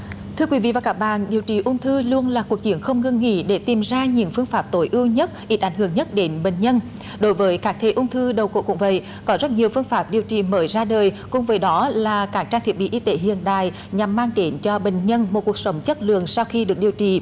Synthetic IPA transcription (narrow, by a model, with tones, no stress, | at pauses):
t̪ʰɨ˧əkwi˨˦vḭ˧˨vaː˨˩kaː˦˥k̚ɓa̰ː˧˨nɗi˨˩əwt͡ɕḭ˧˨˩ʔʊ˧wŋ͡mt̪ʰɨ˧lu˧ənlaː˨˩ku˨˩ək̚t͡ɕi˨˦ənxə˧wŋ͡mŋɨ˧ŋːḭ˧˥ɗe˧˩t̪i˨˩mzaː˧ɲɨ̰˧˥ŋfɨ˧əŋfaː˦˥p̚t̪o˨˦jʔɨ˧wɲə˦˥t̚ʔi˦˥t̚ʔa˨˩˦jŋ̟ɦɨ˧˩əŋɲə˦˥t̚ɗe˨˦nɓḛ˧˨ŋ̟ɲə˧n | ɗo˨˦jvəː˨˦jkaː˦˥k̚t̪ʰe˧˨˩ʔʊ˧wŋ͡mt̪ʰɨ˧ɗə˨˩wko̰˧˨kʊ̰˧˥ŋ͡mvə̰˧˨j | kɔ˨˦zə˦˥t̚ɲi˨˩əwfɨ˧əŋfaː˦˥p̚ɗi˨˩əwt͡ɕḭ˧˨˩məː˨˦jzaː˧ɗəː˨˩j | kʊ˨˧˩ŋ͡mvəː˨˦jɗɔ˨˦laː˨˩kaː˦˥k̚t͡ɕaː˧ŋt̪ʰi˨˩ət̚ɓḭ˧˨ʔi˧t̪e˨˦ɦḭ˧˨ənɗa̰ː˧˨j | ɲa˨˩mːaː˧ŋɗe˨˦nt͡ɕɔ˧ɓe˧˨˩ŋ̟ɲə˧nmo˨˩t̚ku˨˩ək̚sə˨˦wŋ͡mt͡ɕə˦˥t̚lɨ̰˧˨əŋsa˧wxi˧ɗɨ˨˩ək̚ɗi˨˩əwt͡ɕḭ˧˨